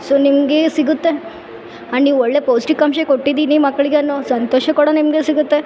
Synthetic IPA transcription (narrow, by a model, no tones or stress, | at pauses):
sonimɡesiɡut̪ːe | aɽiʋoɭɭeposʈikamɕekoʈːid̪inimɐkːɭiɡeɐnːosɐnt̪oɕɐkɐɽanimɡesiɡut̪ːe